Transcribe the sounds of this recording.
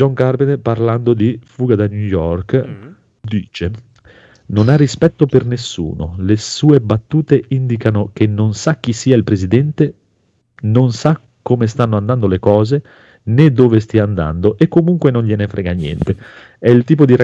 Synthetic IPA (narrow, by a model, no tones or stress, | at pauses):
d͡ʒɔŋkarbenparland̪od̪ifuːɡad̪anjujɔrk | d̪ḭːt͡ʃe | nonarːispɛt̪ːopernesːṵːno̰lesuːebat̪ːuːt̪eind̪ikanok̟enːonsak̟ːisːiːailpɾezid̪ɛnt̪e | nonsa | kːomes̬t̪anːoand̪and̪olekɔːze | ned̪ːoːvest̪iand̪a̰nd̪oʔekːomuŋkwenonʎenefɾɛːɡanjɛ̰nt̪e | ɛilt̪iːp̬od̪iɾa